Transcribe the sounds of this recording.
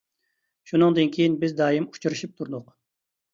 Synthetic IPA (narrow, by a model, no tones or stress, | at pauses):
ʃunɨŋd̪ɨnkʲʰejinbɪzd̪ɑːjimu̥t͡ʃʰuɾɨʃip̚t̪ʰuɾd̪ʊq